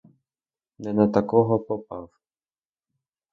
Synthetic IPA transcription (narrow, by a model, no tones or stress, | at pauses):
nɛnɐt̪ɐkɔɦɔpɔpɑw